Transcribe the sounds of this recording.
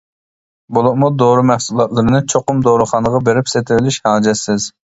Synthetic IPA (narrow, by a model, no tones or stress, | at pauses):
bolˠʊmud̪oɾɨmɛhsulˠɑt̪lˠɨɾɨnɨt͡ʃʰoqʊmd̪oɾɨχɑnəʁɑbeɾɪpset̪ʰɪvɪlɪʃhɑːd͡ʒɛsːɪz